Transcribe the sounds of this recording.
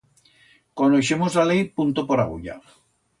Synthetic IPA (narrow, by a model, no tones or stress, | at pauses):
konoʃemozlalejpunt̪opoɾa̰ɣ̞ṵʎa̰